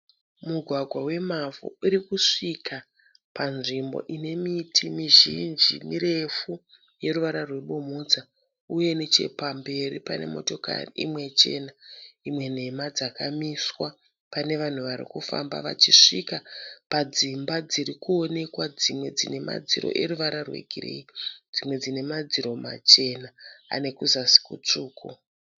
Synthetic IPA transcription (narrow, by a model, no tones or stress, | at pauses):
muɡʱwaɡʱwawe̞mavṵiɾikuʂikʰa | panʐimbo̞̰ʔine̞mitʰimiʒind͡ʒimiɾe̞fu | je̞ɾuʋaɾarwe̞ɓomud͡za | uje̞net͡ʃe̞̰pambe̞ɾipane̞̰mo̞̰to̞ka̰riḭmwe̞t͡ʃe̞naimwe̞n̤e̞mad͡zakamiswa | pane̞ʋan̤uʋaɾḭkufa̰mba̰ʋa̰t͡ʃiʂikapad͡zimbad͡ziɾikuo̞ne̞kwad͡zimwe̞d͡zine̞ma̰d͡ziɾo̞̰ʔe̞ɾuʋaɾarwḛɡʱirḛid͡zimwe̞d͡zine̞mad͡ziɾo̞ma̰t͡ʃe̞naa̰ne̞kuzasi̥kut͡ʂuːku